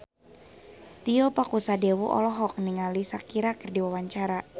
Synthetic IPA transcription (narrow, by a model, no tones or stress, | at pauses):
t̪iɔpakusadewuʔɔ̰lɔɦɔk̚niŋalisakiɾakərdiwawaɲt͡ʃaɾa